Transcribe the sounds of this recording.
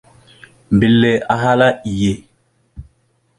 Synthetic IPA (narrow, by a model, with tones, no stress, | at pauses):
m˨bi˨lːɛ˨a˨ɦa˦la˦i˨je˨